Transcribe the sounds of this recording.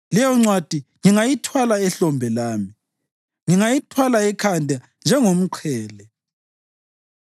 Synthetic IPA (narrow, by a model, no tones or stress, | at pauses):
lɛjɔŋ͡ǀwad̥ʱiŋiŋajitʰwalaɛɬɔmbʱɛlaːmi | ŋiŋajitʰwalaɛkʰandʱa | nd͡ʒʱɛŋom̩ǃʰɛːlɛ